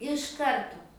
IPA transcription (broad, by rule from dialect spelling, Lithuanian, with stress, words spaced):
ɪʃ ˈkɐrtoː